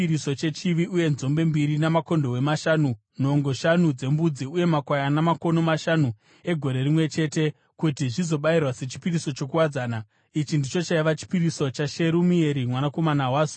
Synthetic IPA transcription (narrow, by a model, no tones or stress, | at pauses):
iɾiso̞t͡ʃe̞t͡ʃiʋiʔuje̞nzo̞mbe̞mbiɾinamako̞ndo̞we̞maʃanu | n̤o̞ŋɡo̞ʃanud͡ze̞mbud͡ziuje̞makwajanamako̞no̞maʃanu | e̞ɡʱo̞ɾe̞rimwe̞t͡ʃe̞te̞ | kutiʐizo̞ɓairwase̞t͡ʃi̥piriso̞t͡ʃo̞kuwad͡zaːna | it͡ʃindit͡ʃo̞t͡ʃaiʋat͡ʃi̥piriso̞t͡ʃaʃe̞ɾumie̞ɾimwanako̞manawaːzo̥